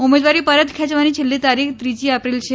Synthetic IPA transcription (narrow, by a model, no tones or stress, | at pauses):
umed̪ʋaɾiːpəɾət̪kʰɛt͡ɕʋañiːt͡ɕʰilːit̪aɾikt̪ɾid͡ʑiːapɾilɕe